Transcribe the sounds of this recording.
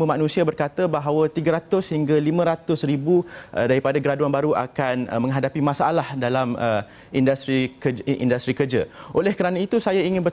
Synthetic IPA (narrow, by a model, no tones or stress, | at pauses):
umanũsiabərkat̪əbaɦawət̪iɡaɾat̪ʊshiŋɡalimə̃ɾat̪ʊsribuʔdaɾipadaɡəɾaduanbaɾua̰kan̰mə̃ŋɦadapimasaʔalahdalamə | indast̪ɾikəḭndast̪ɾikərd͡ʒaʔolɛhkəɾanãit̪usajaiŋɪ̃nbər